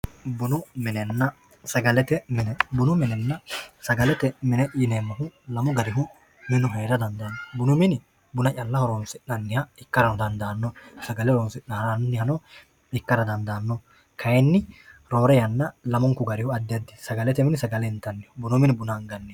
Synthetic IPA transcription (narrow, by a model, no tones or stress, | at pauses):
bʊnʊmɪnɛnːɐ | sɐɡɐlɛt̪ɛmɪnɛbʊnʊmɪnɛnːɐsɐɡɐlɛt̪ɛmɪnɛjɪneːmːɐɦʊlɐmɔɡɐɾɪɦʊ | mɪnʊɦeːɾɐd̪ɐnd̪ɐnːɔbʊnʊmɪnɪ | bʊnɐt͡ʃɐlːɐhɔɾɔnsɪʔnɐnːɪhɐɪkːɐɾɐnɔd̪ɐnd̪ɐːnːɔsɐɡɐlɛhɔɾɔnsɪʔnɐɾɐnnːɪhɐnɔ | ɪkːɐɾɐd̪ɐnd̪ɐːnːɔ | kʰɐjɛnːɪɾoːɾɛjɐnːɐlɐmɔŋkʊɡɐɾɪhʊɐd̪ːɛɐd̪ːɪ̥sɐɡɐlɛt̪ɛmɪnɪsɐɡɐlɛɪnt̪ːɐnːɪhʊbʊnʊmɪnɪbʊnɐːŋɡɐnːɪ